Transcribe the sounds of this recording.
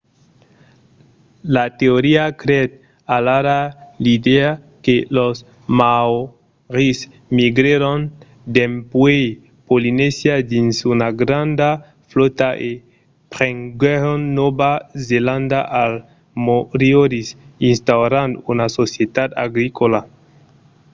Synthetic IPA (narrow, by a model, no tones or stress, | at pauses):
lat̪eoɾiakɾet̪̚ | alaɾalid̪ea | kelos | maw | ʁis | miɡɾeɾon | d̪empwej | polinesjad̪insunaɡɾand̪a | flot̪aʔe | pɾeŋɡeɾonːobazelãnd̪aʔal | moɾioɾisinst̪awɾand̪unasosjet̪at̪a̰ɡɾikola